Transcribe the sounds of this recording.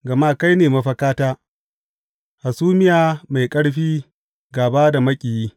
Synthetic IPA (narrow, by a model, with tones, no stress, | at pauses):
ɡɐ˨maː˦ka˦jneː˨mɐ˦ɸɐ˦kaː˦taː˦ | ha˨suː˦mɪ˦jaː˨ma˨jkʼɐ˦ɽɸiː˦ | ɡaː˨baː˦da˨mɐ˦kʲʼiː˨jiː˦